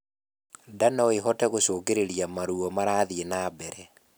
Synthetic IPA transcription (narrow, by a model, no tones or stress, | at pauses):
danaɔeɦɔtɛɣosoːkeɾeɾijamaɾuɔmaɾaːðienaːbɛɾɛ